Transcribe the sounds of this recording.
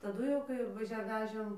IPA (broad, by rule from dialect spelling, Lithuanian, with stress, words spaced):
tɐˈdʊ jɛʊ kɐɪ ʋɐˈʒʲɛ ˈʋʲæːʒʲeːm